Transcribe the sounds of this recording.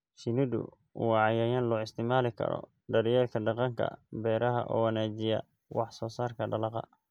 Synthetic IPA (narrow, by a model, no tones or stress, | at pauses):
ʃɪnɪd̪ʊ̰ | wɑʕɑjaːjaːnlɔːɪst̪ʰɪmaːlɪkʰɐ̰ɾɔ̰ | ɖɐɾɪjɛːlkʰɐɖɑqɑŋkʰɐ̰bɛːɾɐɦɐ̰ʔɔːwɑnaːt͡ʃɪjɐ | wɑħsɔːsaːrkʰɐɖɐlɑqɑ̰